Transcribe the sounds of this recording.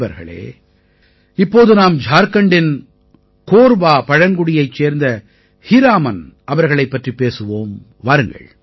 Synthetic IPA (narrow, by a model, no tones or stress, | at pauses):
ʋɐɾɣɐ̰ɭḛː | ɪpːoːðɯnaːmd͡ʒʱaːɾkɐɳɖɪn | koːɾbaːpɐɻɐŋɡʊɽɪjɐɪt͡ʃːeːɾnd̪ɐ | hɪɾaːmɐnʔɐʋɐɾɣɐɭɐɪpːɐʈripːeːsɯʋoːm | ʋaːɾɯŋɡɐ̰ɭ